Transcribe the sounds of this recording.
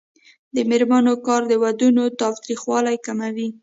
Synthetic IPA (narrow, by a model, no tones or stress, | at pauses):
d̪əmɪɾmanokɑɾd̪əwad̪unot̪ɑft̪ɾixwɑlajkamawi